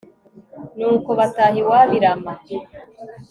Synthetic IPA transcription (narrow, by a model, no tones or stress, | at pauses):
nuːko̞βataːhiwaːβiɾama